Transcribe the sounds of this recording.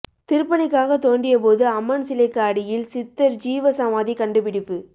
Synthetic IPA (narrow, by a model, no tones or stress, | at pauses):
t̪ɪɾɯpːɐnɪkːaːɣɐt̪oːɳɖɪjɐpoːðɯɐmːɐnsɪlɐɪkːaːɽɪjɪlsɪt̪ːɐɾd͡ʒiːʋɐsɐmaːðikɐɳɖɯpɪɽɪpːɯ